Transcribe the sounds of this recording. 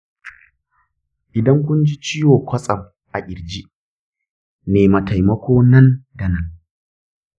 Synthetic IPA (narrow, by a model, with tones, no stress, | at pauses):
ʔɪ˨dɐ˦ŋk̬ʷʊ˦nd͡ʒi˦t͡ʃiː˦joː˨kʷɐ˦sʼɐ˨m | ʔa˨ʔʲʼɪ˨ɾd͡ʒi˦ | neː˨mɐ˨ta˨jmɐ˦kʷoː˦nɐ˦nda˨nɐ˦ŋ